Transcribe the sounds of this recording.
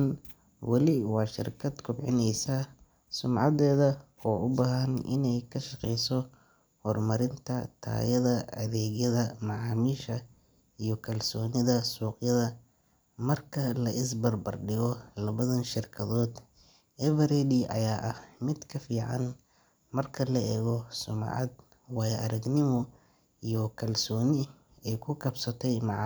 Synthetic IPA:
n | wɑlɪwɑːʃɪ̰rkʰɐd̪kʰʊbʕɪnɛjsɐ | sʊmʕɑðɛːðɐ | ɔːʔʊbaːɦɐnɪ̰nɛjkʰɐʃɐqɛjsɔ | hɔrmɐɾɪnt̪ʰɐt̪ʰa̰ːjɐðɐʔɐðɛːɣjɐðɐmɑʕɑːmiːʃɐ | ijɔkʰɐlsɔːnɪðɐsuːqjɐðɐ | mɐrkʰɐlɐʔɪs̬bɐrbɐrɖɪɣɔlɐβɐðɐnʃɪrkʰɐðɔːd̪ | ʔɛvɐɾɛdɪʔɐ̰jaːʔɐhmɪd̪kʰɐfiːʕɑ̰n | mɐrkʰɐlɐɛːɣɔsʊm̰ʕɑ̰d̪̚ | wɑːjɛʔɐɾɐɡnɪmɔ | ijɔkʰɐlsɔːnɪ | ɛjkʰʊkʰɐbsɐt̪ʰɛjmɑʕ

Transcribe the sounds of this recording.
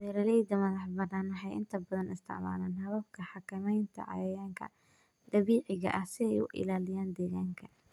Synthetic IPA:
dɛːɾɐlɛjd̪ɐmɐðɑħbɐnaːnɐħɛjɪ̰nt̪ʰɐbɐðɐnɪst̪ʰɐ̰ʕma̰ːlaːnɦɐβɐb̚kʰɐħɑkʰɐmɛjnt̪ʰɐ̰ʕɑ̰jɐjaːŋkʰɐ̰ | d̪ɐβiːʕɪɣɐ̰ʔɐhsɪɛjʊ̰ʔɪ̰laːlɪjaːnd̪ɛːɣaːŋkʰɐ

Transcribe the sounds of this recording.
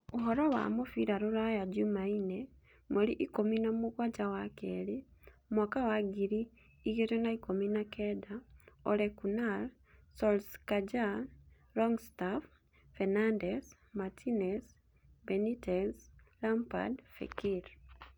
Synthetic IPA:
oɦɔɾɔwa̰mofiɾaɾoɾajad͡ʒumaine | moɾiʔikominamoɣwad͡ʒawakɛɾemwakawaɡiɾiː | ɣetenaikominakɛdaɔɾɛkunal | sɔlskad͡ʒa | ɾɔŋɡstaf | fɛnandɛs | matʰinɛs | bɛnitɛslampa̰dfḛkiɾ

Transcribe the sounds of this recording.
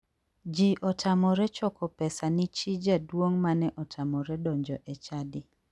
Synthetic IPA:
d͡ʒiʔɔtʰamɔɾɛt͡ʃɔkɔpɛsanɪt͡ʃid͡ʒadwoŋmanɛʔɔtʰamɔɾɛdɔɲd͡ʒɔʔet͡ʃadɪ

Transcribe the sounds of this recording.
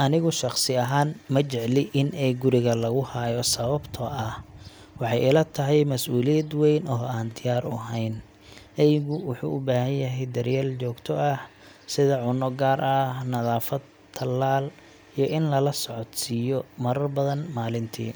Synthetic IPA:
ʔɐnɪɣʊʃɑχsɪɐɦaːnmɐt͡ʃɛʕlɪʔɪnɛjɡʊɾɪɣɐlɐɣʊhaːjɔsɐβɐbt̪ʰɔʔɐh | wɑħɑjɪlɐt̪ʰɐɦɛjmɐsuːlɪjɐd̪wɛjnɔːaːnd̪ɪjaːɾʊ̰ɦɛjn | ʔɛjɣʊwʊħṵːʔʊbaːɦɐnjɐɦɛjd̪ɐrjaːlt͡ʃɔːɡt̪ʰɔɐh | sɪðɐʕʊnɔɡaːɾʔɐhnɐðaːfɐd̪ | t̪ʰːɐlːaːl | ijɔʔɪnlɐlɐsɔʕɔt̪siːjɔmɐɾɐrbɐðɐnmaːlɪnt̪ʰḭː

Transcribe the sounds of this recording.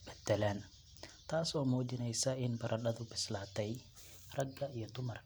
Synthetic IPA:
bɛd̪̥ːɛlɛn | t̪ʰaːsɔːmɔːd͡ʒɪnɛjsɐɪnbɐɾʔɐɗɐðʊbɪslaːt̪ʰɛj | rɐɡːɐijɔd̪ʊmɐr

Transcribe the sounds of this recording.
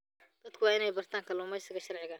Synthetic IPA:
d̪̥ɐd̪kʰʊwɑːɪnɛjbɐrt̪ʰaːŋkʰɐlʊːmɛjsɪɣɐʃɐrʕɪɣɐ

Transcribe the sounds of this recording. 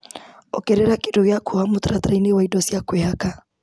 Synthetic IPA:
ɔkɛɾɛɾakiduɣiakʰuhamut̪ɾat̪ɾainiwaidɔsiakwɛhaka

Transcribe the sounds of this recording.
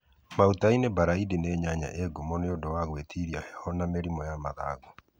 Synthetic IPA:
mautainebaɾaidineɲaɲa̰ʔeɡumɔneodowaɣwetʰiɾiahɛhɔnameɾimɔjamaða̰ːɣɔ

